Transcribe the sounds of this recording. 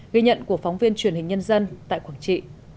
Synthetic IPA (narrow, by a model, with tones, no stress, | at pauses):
ɣi˧ɲə̰˧˨nku˧˩əfɔ˨˦wŋ͡mvi˧ənt͡ɕwi˧˩ənhï˨˩ŋ̟ɲə˧nzə˧nt̪a̰ː˧˨jkwaː˧˩ŋt͡ɕḭ˧˨